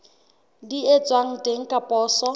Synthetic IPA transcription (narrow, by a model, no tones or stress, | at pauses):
liet͡sʼwaŋ̩tʼeŋ̩kʼapʼɔːsɔ